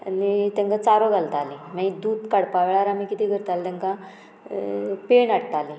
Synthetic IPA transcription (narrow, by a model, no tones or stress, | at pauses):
nit̪ẽŋkat͡saɾoɡʱalt̪alimãid̪uːd̪kaɽpaʋɭaɾamiːkit̪iːɡʱəɾt̪alt̪ɛ̃ŋka | peɳaɽʈali